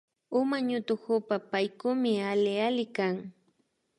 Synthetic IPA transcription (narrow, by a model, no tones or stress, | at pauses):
ʊmaɲʊt̪ʊhʊpapajkʊmɪalɪalɪkaŋ